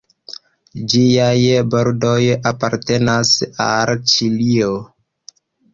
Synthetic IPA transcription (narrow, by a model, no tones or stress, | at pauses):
d͡ʒiajboɾdo̞japaɾte̞nasalt͡ʃilio